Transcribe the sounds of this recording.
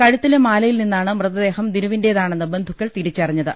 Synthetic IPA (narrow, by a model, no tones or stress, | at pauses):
kɐɻut̪ːilemaːlɐjilninːaːɳɨmrɨðɐd̪e̞ːhɐmd̪iɾuʋinde̞ːðaːɳɨnːɨbɐnd̪ʱukʲːɐɭt̪iɾit͡ɕːɐriɲːɐðɨ